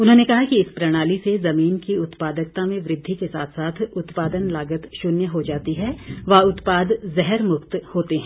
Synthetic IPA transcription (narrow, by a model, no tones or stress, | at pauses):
ʊnɦõnekɐɦakiɪspɾɐɽ̃aːlisezɐmiːnkiʊt̪paːd̪ək̚t̪ãmẽʋɾɪd̪ʱːikesaːt̪ʰsaːt̪ʰʊt̪paːd̪ənlaːɡət̪ʃʊnjəɦod͡ʒaːt̪iɦɛʋɐʊt̪paːd̪zɛɦɛɾmʊkt̪hoːt̪eɦɛ̃ː